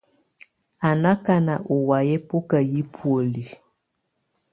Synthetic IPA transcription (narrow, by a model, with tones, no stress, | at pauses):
a˨na˦ka˦na˨ʔo˨wa˨jɛ˦po˦ka˨ji˦pʰwo˨li˨